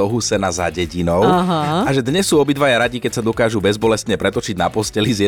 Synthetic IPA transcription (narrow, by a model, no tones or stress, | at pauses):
ɔɦusɛnaza̰ɟɛɟinɔʊɦaʒɛd̪ɲɛsːuːɔbid̪ʋajaɾaɟikɛcsad̪ɔkaːʒubɛzbɔlɛst̪ɲɛpɾɛt̪ɔt͡ʃiɟnapɔscɛlizjɛ